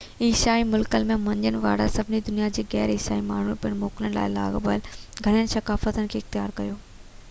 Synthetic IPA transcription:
iːʃaːimʊlkəlmẽmɐ̃ɲd͡ʑənɪ̆ʋaːɽasɐbʱɪnid̪ʊnijad͡ʑeːɣɛːɾeːsaːimaːɳ̤upiəɽ̃moːkɪləñɪla̰ːɪla̰ːɡbəlɡʱɐɽ̃ijənɪ̆sɐkaːfət̪ənɪ̆kʰeːɪxt̪ɪjaːɾkɐjoː

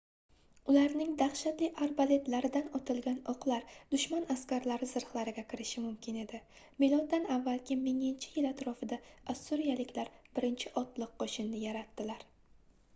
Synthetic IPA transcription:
ʊlaɾnɪŋd̪aχʃat̪lɪʔaɾbale̞t̪laɾɪd̪anɒt̪ʰɪlɡʲanɒqlˠaɾd̪̥ʊʃmanaskʲaɾlaɾɪzɪɾχlˠaɾɪɡʲakʲʰɪɾɪʃɪmʊmkʲɪne̞d̪ɪ | melˠɒd̪anavːalˠkʲɪmɪŋɪnt͡ʃʰɪ̥jɪlat̪ɾɒfɪd̪aasuɾijalɪkʲlaɾb̥ɪɾɪnt͡ʃʰɪʔɒt̪lˠɨqqːoʃɪnːɪjaɾat̪ːɪlaɾ

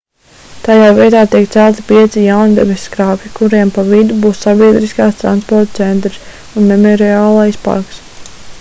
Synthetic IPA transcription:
t̪ajaːvʲiɛt̪aːt̪iɛkt̪sælˠt̪i̥piɛt̪sijawnd̪ɛ̰besʲkɾaːpʲikuɾiɛmpavid̪ubuːsːabiɛd̪ɾiskaːst̪ɾa̰nspɔɾt̪t̪sɛnt̪ɾis | unmɛmɔɾiaːlˠajspa̰ɾks

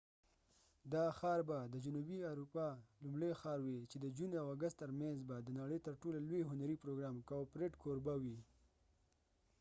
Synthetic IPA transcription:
d̪ɑxɑɾbad̪əd͡ʒunubiaɾupɑlumɽexɑɾwit͡ʃed̪əd͡ʒunawaɡast̪ːəɾmanzbad̪ənaɽəjt̪əɾʈolalweɦʊnaɾipɾoɡɾɑmkapɾeʈkʰoɾbawi

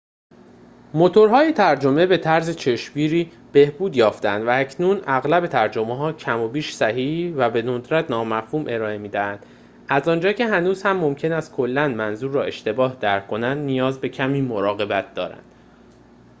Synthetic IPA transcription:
mo̞t̪ʰoɾɦɒːjet̪ʰæɾd͡ʒo̞me̞be̞t̪ʰæɾzet͡ʃʰe̞ʃbiːɾiː | b̥e̞hbuːd̪jɒːft̪eænd̪vææcʰnuːnæɣlæbe̞t̪ʰæɾd͡ʒo̞meɦɒːcʰæmo̞biːʃsæhiːhvæbe̞nod̪ɾæt̪ʰnɒːmæfhuːmʔe̞ɾɒːemiːd̪æhænd̪̥ | æzɒːnd͡ʒɒːcʰe̞ɦænuːz̥hæmːo̞mcʰe̞næst̪̚kʰo̞lːænmænzuːɾːɒːe̞ʃt̪e̞bɒːhd̪æɾkʰːo̞nænd̪nijɒːzbe̞cʰæmiːmo̞ɾɒːɣe̞bæt̪̚ʰd̪ɒ̰ːɾæ̰nd̪̥

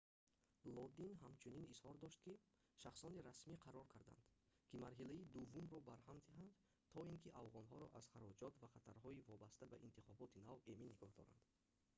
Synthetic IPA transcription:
lɔd̪inɦamt͡ʃʰuninishɔɾd̪ɔʃt̪ki | ʃaχsɔniɾasmiqʰaɾɔɾkʰaɾd̪a̰nd̪̥kʰimaɾɦilaid̪uvːumɾɔbaɾhamd̪iɦand̪ | t̪ʰɔiŋkʰiʔavʁɔnɦɔɾɔ̰ʔaz̥χaɾɔd͡ʒɔt̪vaχat̪ʰaɾɦɔivɔbast̪abaʔint̪ʰiχɔbɔt̪ʰinaveminːiɡɔhd̪ɔ̰ɾa̰nd̪̥

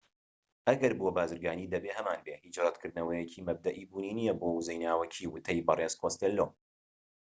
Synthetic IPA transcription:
ʔɐɡɐɾbobaːzɨɾɡaːniːd̪ɐbeːhɐmaːnbeːhiːt͡ʃrˤɑd̪kʰɨɾd̪ɨnɐwɐjɛcʰiːmɐb̚d̪ɐʔiːbuːniːnijɛboːwuzɐjnaːwɐcʰiːwʊt̪ʰɐjbɐreːzkʰost̪elːoː

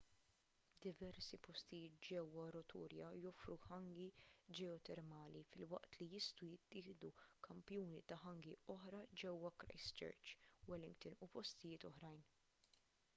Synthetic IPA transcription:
d̪ɪvɛɾsipɔst̪ɪjɪːt̪̚d͡ʒɛwːɐɾɔt̪ʰṵːɾjɐjɔfɾuħɐŋɡid͡ʒɛɔt̪ɛɾmɐːlifɪlwɐ̰ʔt̪lijɪst̪ujɪt̪ːɪːhd̪ukʰɐmpjuːnit̪ɐħɐŋɡiɔħɾɐd͡ʒɛwːɐkɾɐ̰jst͡ʃɛ̰ɾt͡ʃwɛlɪŋɡt̪ʊnupɔst̪ɪjɪːt̪ɔħɾɐjn

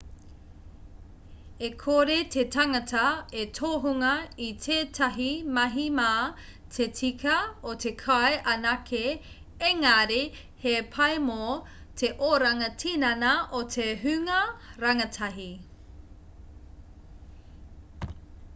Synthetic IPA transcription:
ekʰoɾetʰetaŋɐtʰɐetʰoːɦuŋɐitʰeːtʰɐɦimɐɦimaː | tʰet͡sikʰɐotʰekʰɐeʔɐnɐkʰe | eŋaɾe | hepʰɐjmo | tʰeʔoɾɐŋɐtʰinɐnɐʔotʰeɦʉŋɐɾɐŋɐtʰɐɦi

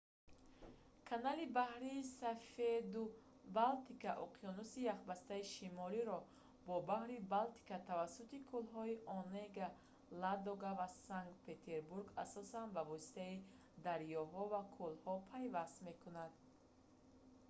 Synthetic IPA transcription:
kʰanalibahɾiːsafed̪u | balt̪ikaʔɔqʰijɔnusijaχbast̪aiʃimɔliɾɔ | bɔbahɾibalt̪i̥kat̪ʰavasːut̪ikʰulɦɔiʔɔneɡa | lad̪ɔɡavasaŋɡkt̪pʰe̞t̪ʰe̞ɾbuɾɡasɔsanbavɔsi̥t̪ai | d̪aɾjɔɦɔvakʰulhɔpʰajvast̪me̞kunad̪̥

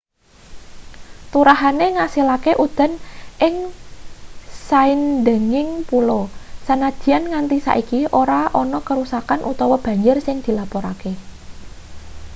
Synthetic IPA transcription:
t̪uɾaɦaneŋasilakeʔud̪̥ə̤nʔɪŋ | saɪnd̪ə̤ŋɪŋpulɔsanad̪̥i̤anŋant̪isa̰ʔikiʔoɾaʔɔnɔkəɾusakanʔut̪ɔwɔb̥a̤ɲd͡ʒʊrsɪŋd̪̥i̤lapɔɾa̰ke

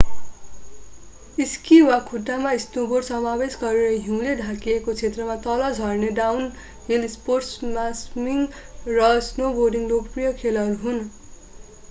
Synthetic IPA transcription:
iskiwakʰuʈːamasnoborɖsʌmabesɡʌɾeɾʌɦĩw̃ledʱakiekot͡sʰet̪rʌmat̪ʌlʌd͡zʱʌrneɖawn | ɦilsporʈsmasmiŋrʌsnoborɖiŋlokprijʌkʰelʌɾuɦun

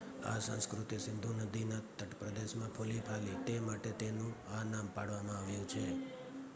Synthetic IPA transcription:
a̰sã̰skɾʊt̪iəsɪnd̪ʱunəd̪inat̪əʈpɾəd̪eʃmãpʰulipʰalit̪emaʈet̪enũanampaɽʋamãaʋjũt͡ʃʰe

